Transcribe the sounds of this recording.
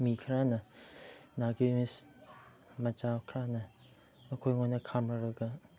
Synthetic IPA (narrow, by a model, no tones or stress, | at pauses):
mikʰɾanɐ | naɡimis | mɐd͡ʒawkʰɾanɐ | ɐkʰojŋonɐkʰamɾɐɾɐɡɐ